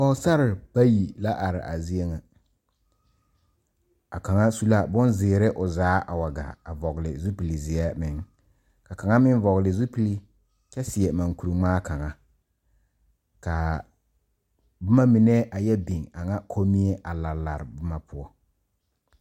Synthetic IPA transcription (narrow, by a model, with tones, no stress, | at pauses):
ka˦ʊ˦sa˦ɾɪ˨ba˦ji˨la˦ʔa˨ɾɪ̰˨ʔa̰˨zi˦e˦ŋa˨ | a˨ka˨ŋa˦su˦la˦bʊ˦nzɪː˨ɾɪ˦ʔʊ˨zaː˨˦ʔa˨wa˨ɡa̰˨a˨vɔ˨ɣlɪ̰˨zu˦pi˨li˨zɪ˨ɛ˦mɪ˨ŋ | ka˨ka˨ŋa˦mɪ˦n˦vɔ˨ɣlɪ˨zu˦pi˦li˦ | kɛ˦sɪ˨ɛ˨ma˨ŋku˨ɾi˨ŋ͡maː˦ka˨ŋa˦ | ka˨ | bʊ˦ma˦mɪ˨nɛ˦ʔa˨jɛ˦bi˨ŋa˨ŋa˦kʰo˦mi˦ɛ˦ʔa˨la˨la˨ɾɪ˨bʊ˦ma˦pʰʊ˦ɔ˦